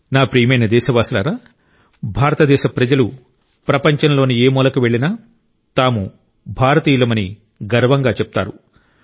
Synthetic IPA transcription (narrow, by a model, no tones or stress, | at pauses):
naːpɾiːmɐjnɐd̪ɛːʃɐʋaːsila̰ːɾaː | bʱaːɾɐt̪ɐd̪ɛːʃɐpɾɐd͡ʒɐlu | pɾɐpɐɲt͡ʃɐnlo̞ːnieːmuːlɐkuʋe̞ɭːinaː | t̪aːmu | bʱaːɾɐt̪iːlɐmɐni | ɡɐɾʋɐŋɡaːt͡ʃɛp̚t̪a̰ːɾu